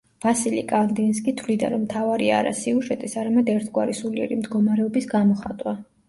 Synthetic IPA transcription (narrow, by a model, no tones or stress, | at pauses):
v̥asilḭkʼand̪ins̬kʼit̪ʰvlid̪a̰ɾɔmt̪ʰavaɾia̰ɾa̰siuʒɛt̪ʼisaɾamɛd̪ɛɾt̪ʰɡwaɾisuliɛ̰ɾimd̪ɡɔmaɾɛɔbisɡamɔχat̪ʼwa